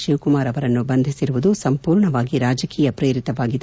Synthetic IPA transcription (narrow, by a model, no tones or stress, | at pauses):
ʃiʋkumaːɾɐʋɐɾɐnːubɐnd̪ʱisiɾuʋud̪usɐmpuːɾɳɐʋaːɡiɾaːd͡ʒɐkiːjɐpɾeːɾit̪ɐʋaːɡid̪